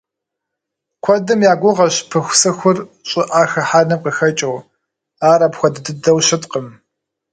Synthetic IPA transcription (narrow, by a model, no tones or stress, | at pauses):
kʷʰɔdɨmjaːɡʷʊʁɐɕpʰɨxʷsɨxʷʊrɕʼɪʔaːxɐħaːnɐqəxɐt͡ʃʼɐw | aːɾɐpxʷɔdɨdɨdɐwɕɪtqəm